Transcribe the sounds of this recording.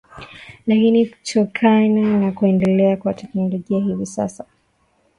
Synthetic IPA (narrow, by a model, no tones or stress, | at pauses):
lakiniku̥tʰɔkʰananakuɛndɛlɛakwatɛknɔlɔʄiahivisa̰sa